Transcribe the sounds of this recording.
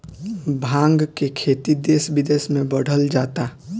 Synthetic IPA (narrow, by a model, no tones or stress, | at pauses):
bʱãːŋɡkekʰeːt̪id̪eːsbɪd̪eːsmẽbəɽ̤əld͡ʒaːt̪a